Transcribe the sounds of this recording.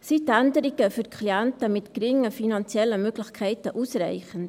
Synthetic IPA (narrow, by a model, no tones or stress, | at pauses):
sitændəɾiɡəfyɾkʰliɛntəmɪtɡ̥ɾɪŋːəfinɑnt͡sjɛlːəmøɡlɪxkʰɛɪtəʔusrɛ̰ɪχən